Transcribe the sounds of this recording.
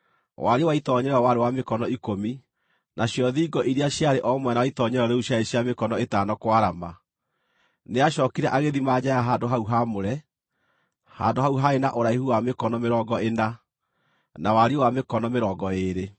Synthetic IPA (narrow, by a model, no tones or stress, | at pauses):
waɾewaitɔɲɛɾawaɾewamekɔnɔikomi | naɕjɔðiːɡɔʔiɾeaɕjaɾeʔɔmwɛnawaitɔɲɛɾɔɾeuɕjaeɕjamekɔnɔetanɔkwaɾama | neaʃɔːkiɾɛʔaɣeðimad͡ʑajaɦaːndoɦauɦamoɾɛ | ha̰ːndoɦauɦaenaʔoɾaihuwamekɔnɔmeɾɔːɡɔena | nawaɾewamekɔnɔmeɾɔːɡɔeɾe